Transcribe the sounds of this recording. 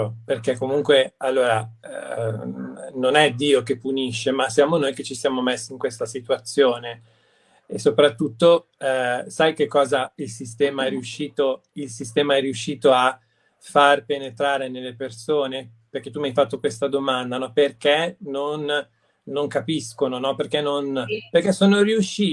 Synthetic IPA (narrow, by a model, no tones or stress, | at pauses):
perkekːomuŋkwealːoːɾa | nonɛd̪iːokepːuniʃːemasːjaːmonojk̟et͡ʃːisjaːmomesːiŋkwest̪asit̪uat̪sːjoːne | esːopɾat̪ːut̪ːo | sajkekːɔːzailsist̪ɛːmaɛrːiuʃːiːt̪o | ilsist̪ɛːmaɛrːiuʃːiːt̪oa | farpenet̪ɾaːɾenelːepersoːne | perk̟ɛt̪ːumiajfat̪ːokwest̪ad̪omand̪anɔperkenonː | oŋkapiskononɔperkenːonperkɛsːoːnoriuʃiː